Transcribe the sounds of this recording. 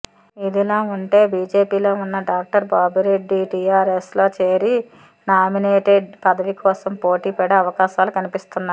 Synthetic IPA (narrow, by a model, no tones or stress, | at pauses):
id̪ilaːuɳʈe̞ːbiːd͡ʒe̞ːpiːlo̞ːunːɐɖaːk̚ʈɐɾbaːbiɾeɖːiʈiːjaːɾeslo̞ːt͡ʃeːɾi | naːmineːʈeɖpɐd̪ɐʋikʰɔːsɐmpo̞ːʈiːpɛɽɐɐʋɐkaːʃaːlukɐnipist̪unːa